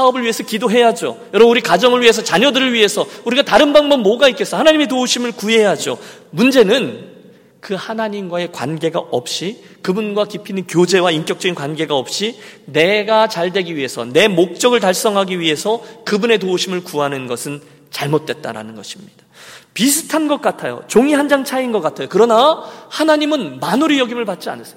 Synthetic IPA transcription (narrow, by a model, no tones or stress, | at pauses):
aʌbɯɭɥiɦe̞sʰʌkidoɦe̞jad͡ʑo̰jʌɾʌbnuɾikad͡ʑʌŋɯɭɥie̞s̬ʰʌt͡ɕaɲʌdɯɾɯɭɥiɦe̞sʰʌuɾiɡataɾɯnbaŋbʌmmːʌɡaik͈es͈ʌhanaɲime̞t̬ouɕʰimɯɭkue̞jad͡ʑo̰mund͡ʑe̞nɯn | kɯhanaɲimɡwae̞kwa̰nɡe̞ɡaʔʌp̚ɕ͈i | kɯbunɡwakipʰinɯnkjod͡ʑe̞waink͈jʌk̚t͡ɕ͈ʌɡinkwanɡe̞ɡaʌp̚ɕ͈ine̞ɡat͡ɕaɭdwe̞ɡiɥiɦe̞sʰʌ̰ne̞mok̚t͡ɕ͈ʌɡɯɭtaɭs͈ʌŋɦaɡiɥiɦe̞sʰʌkɯbune̞touɕʰimɯɭkuɦanɯnɡʌsʰɯn | t͡ɕaɭmot̚t͈we̞t̚t͈a̰ɾa̰nɯnɡʌɕʰimɲid̥ḁpisʰɯ̥tʰanɡʌk̚k͈atʰajo̰t͡ɕoŋiɦand͡ʑaŋt͡ɕʰainɡʌk͈atʰajokɯɾʌnahanaɲimɯnmanuɾijʌɡimɯɭpat̚t͡ɕ͈ia̰nɯs͈